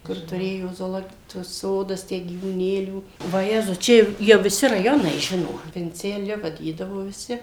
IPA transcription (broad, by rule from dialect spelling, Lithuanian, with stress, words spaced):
ˈkʊr tʊˈrʲeːjoː zoːˈlˠoː tuɔs ˈsoːdɐs ˈtʲæː ɡʲiːʋuːˈnʲeːlʲuː ʋɐˈjæːzʊs ˈt͡ʃʲɛ jɛʊ jɛʊ ʋʲɪˈsʲɪ rɐˈjoːnɐɪ ˈʒʲɪnoː ʋʲɪnʲt͡sʲɛˈlʲʊ ʋɐˈdʲiːdɐʋoː ʋʲɪˈsʲɪ